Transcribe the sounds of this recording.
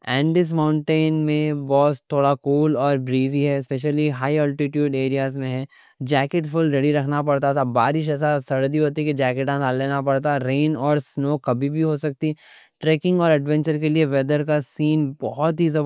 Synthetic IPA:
ɛ̃ːɳɖɪs̬mãːʊ̃ɳʈeːnmẽbɔːst̪ʰːoːɽakuːlɔːɾbɾiːziɦɛɪspeʃ̬əliɦaːiəlʈɪʈjuːɖeːɾijaːzmẽɦɛ | d͡ʒɛːkɪʈsfʊlɾeɽiɾɐkʰnapɐɽt̪aɛːsabaːɾɪʃ̬ɛːs̬asɐɾd̪iɦoːt̪iɛked͡ʒɛːkeʈãsalːeːnapɐɽt̪aɾeːnɔːɾsnoːkɐbʱibʱiɦosɐk̚t̪i | ʈɾeːkɪ̃ŋɡɔːɾɐɖʋɛ̃ɲt͡ʃəɾkelieʋɛd̪əɾkasiːnbɔɦɔt̪ɦizɐ

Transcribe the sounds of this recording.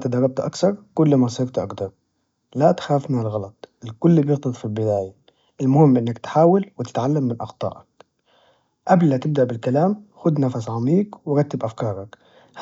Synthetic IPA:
t̪ad̪ɑrˤːɑb̚t̪ʔakθɑɾˤkʊlːmasˤɪɾt̪ʔɑ̰ɡd̪ɑɾˤ | lat̪xaːfmɪnɪlɣɑlɑt̪ˤɪlkʊlːbjɪɣt̪ɑd̪ˤfilbɪd̪aːja | ʔɪlmʊhɪmːʔɪnːakt̪ħaːwalwɪt̪ɪ̥t̪ʕalːamːɪnʔɑxt̪ˤɑ̰ːʔɑk̚ | ʔablmat̪ɪb̚d̪aʔbɪlkalaːmxʊd̪nafasʕamiːkwɪɾɑt̪ːɪbʔafkɑːɾˤɑk | h

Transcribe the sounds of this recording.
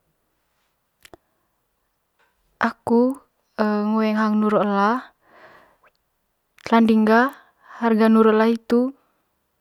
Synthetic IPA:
ʔaku | ŋuwɛŋɦaŋnuɾɔlah | t̪landiŋɡa | harɡanuɾɔlahit̪u

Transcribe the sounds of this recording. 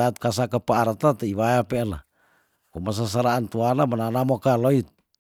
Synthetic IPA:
at̪̚kas̬akəpaaɾt̪at̪aiβajapeana̰ | kumas̬as̬aɾaːnt̪uanamənanamokaloit̪̚

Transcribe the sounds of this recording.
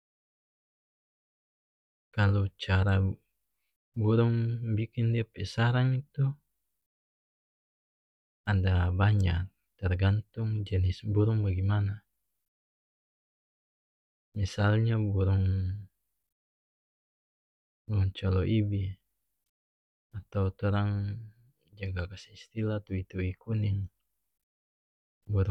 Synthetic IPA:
kalut͡ʃaɾa | buɾuŋbikindiapɛsaɾaŋit̪u | andabaɲa̰k | t̪ɛrɡant̪uŋd͡ʒɛnisbuɾuŋbaɡimana | misalɲabuɾʊŋ | buuŋt͡ʃɔlɔʔibi | at̪awt̪uɾaŋ | d͡ʒaɡakasi̥hist̪ilat̪uit̪uikuniŋ | buɾ

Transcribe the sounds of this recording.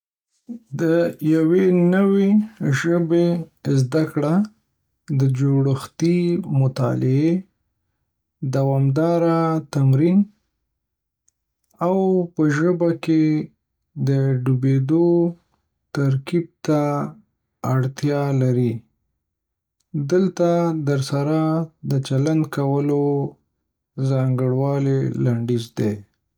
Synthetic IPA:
d̪əjawenəweʒəbezd̪akɽa | d̪əd͡ʒoɽəxt̪imʊt̪ɑ̰lɪe | d̪awɑmd̪ɑɾat̪amɾin | awpəʒəbake | d̪əɖubed̪o | t̪aɾkib̚t̪aː | ɽt̪jɑlaɾi | d̪əlt̪ad̪əɾsaɾad̪ət͡ʃaland̪kawəlo | zɑŋɡəɽwɑlelaɳɖizd̪e

